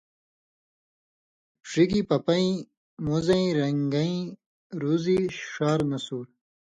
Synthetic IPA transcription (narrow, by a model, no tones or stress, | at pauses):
pʂikipɐpɐĩ | muzɐĩɾɐŋɡɐĩ | ɾuziʂaːɾnɐsuːɾ